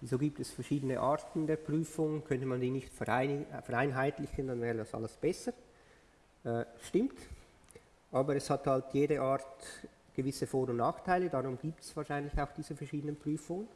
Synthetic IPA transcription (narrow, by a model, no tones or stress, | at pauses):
izoːɡiːp̚tɛsfɛɐʁʃiːdənəʔaːʁtn̩deːɐpʁ̥yːfʊŋkʰœntəmandiːnɪçtfɛɪfɛʁaɪnɦaɪtlɪçəndanvɛːʁədasʔa̰ləsb̥ɛsə | ʔɛːʃtɪmt | ʔaːbəɾɛshathaltjeːdəʔaːɾt | ɡ̥əvɪsəfoːɾʊnnaːxtʰaɪlədaʁʊmɡiːptsv̥aːɐʃaɪnlɪçaʊxd̥iːzəfɛɐʃiːdənənpʁ̥yːfʊŋən